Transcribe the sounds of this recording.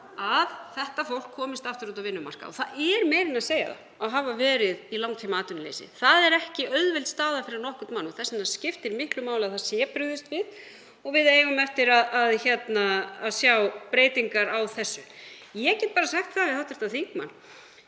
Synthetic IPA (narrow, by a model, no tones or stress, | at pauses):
aðθɛht̪afowl̥kʰːɔːmɪst̪aft̪ʏɾut̪̬avɪnːʏma̰r̥ka̰ɔ̰θaðɛɾmɛːɾɪnaðseːja̰ða̰ | aðɦaːvavɛːɾɪðilawŋt̪ʰimaaːt̪ʏnalḛjsɪ̰θaðɛɾɛhcɪœɥðvɛlt̪st̪aːðafɪɾɪɾnɔhkʏ̥t̪manːɔθɛsːɪnascɪft̪ɪɾmɪhklʏmaːwlɪaðθaðsjɛpɾʏɣðɪst̪vɪð | ɔɣvɪðeːjvʏmɛft̪ɪɾaðaðçɛt̪naːðsjawpɾeːjt̪iŋkaɾawθɛsːʏ | jɛcɛːt̪̚paːɾasaxt̪θavɪðhawt̪ʏ̥ɾ̥t̪aðθikma̰nː